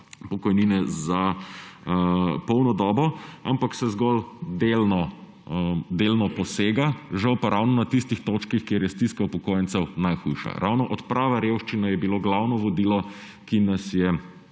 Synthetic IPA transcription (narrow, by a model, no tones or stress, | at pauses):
pɔkɔjniːnɛza | pɔwnɔd̪ɔːbɔampaksɛzɡɔld̪elnɔ | d̪elnɔpɔseːɡaʒawpaɾʔawnɔnat̪ist̪ixt̪oːt͡ʃkixkeɾjɛst̪iskawpɔkoːjɛnt̪sɛwnajxujʃa̰ɾʔa̰wnɔʔɔt̪pɾaːʋaɾewʃt͡ʃinajɛbiloːɡlawnɔʋɔd̪iːlɔ | kinɐsjɛ